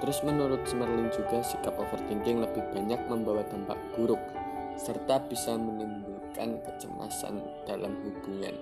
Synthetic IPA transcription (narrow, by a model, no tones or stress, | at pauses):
t̪əɾʊsmənuɾʊt̪̚səmərlɪnd͡ʒuɡa̤sikapofərt̪iŋkɪŋləbɪhb̥aɲak̚məmbawat̪ampa̰ʔb̥uɾʊk̚ | sərt̪ab̥isamənimbukankət͡ʃə̰ma̰sa̰n | d̥alamhub̥uŋa̰n